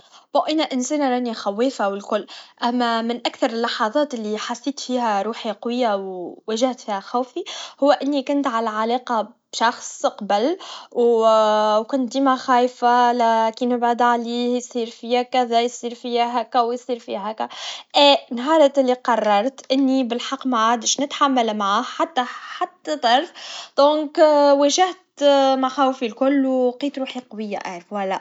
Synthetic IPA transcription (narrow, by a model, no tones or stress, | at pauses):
boʔænæʔɪnseːnɾˤɑːnixæwːeːfawɪlkʊlːʔæmːæmɪnʔækθɑɾˤɪlːɑħɑðˤɑːt̪ɪlːiħaθːiːt̪fiːhæɾˤuːħiqwɪjːawwæʒaht̪fiːhæxæːfihʊwːæʔɪnːikʊnt̪ʕalæʕalɑːqɑbʃɑxsˤqbɪlw | wkʊnt̪̚d̪iːmaxæːjfalækiːnɪbʕad̪ʕaliːhjsˤiːɾfiækæðæjsˤiːɾfiæɦækæwjsˤiːɾfḭhækæʔɛːnɦɑːɾˤt̪ɪlːiqɑrˤːɑɾˤt̪ʔɪnːibɪlħɑqːmaʕaʕd̪əʃnɪt̪ħamːalmaʕahħat̪ːaħat̪ːæd̪ˤɑɾˤfd̪̥ɔ̃ːŋkwæʒaht̪maħaːwfilkʊlːwqiːt̪ɾuːħiqɑwɪjːaʔaʕɾəfwælːæʔ